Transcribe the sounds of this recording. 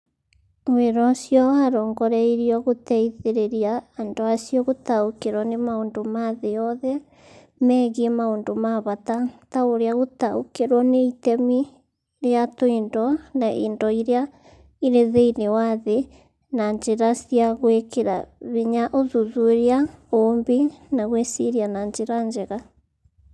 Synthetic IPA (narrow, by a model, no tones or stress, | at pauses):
weɾɔsjɔwaːɾɔːŋɡɔɾɛiɾiɔɣotɛiðeɾeɾiaːndoasjɔɣotaokeɾwɔnemaoːndomaðejɔðɛ | mɛɣiemaoːndomaβatataoɾeaɣotaokeɾwɔneitɛmi | ɾeatoindɔnaʔḛndɔiɾea | iɾeðeinewaðe | naɲd͡ʒeɾasiaɣwekeɾa̰βeɲaʔoðuðueɾeaombenaɣweseɾianaɲd͡ʒeɾaɲd͡ʒeɣa